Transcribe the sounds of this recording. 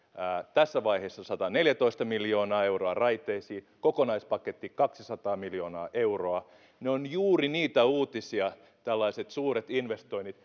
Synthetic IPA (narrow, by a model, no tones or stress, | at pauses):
æt̪æsːæʋɑiheːsːɑsɑt̪ɑneljæt̪oist̪ɑmiljoːnɑːeuroɑrɑit̪eːsiː | kokonɑispɑket̪ːikɑksisɑt̪ɑːmiljoːnɑ̰ːʔeuroɑ | neonjuːriniːt̪æuːt̪isiɑ | t̪ælːɑiset̪suːret̪inʋest̪oinit̪